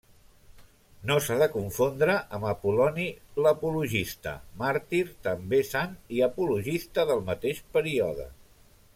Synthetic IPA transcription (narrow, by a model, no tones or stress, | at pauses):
nosaðəkuɱfond̪ɾəʔəməpulɔniləpuluʒist̪ə̰maɾt̪iɾt̪əmbesaniəpuluʒist̪əðəlˠmət̪eʃpəɾiɔðə̰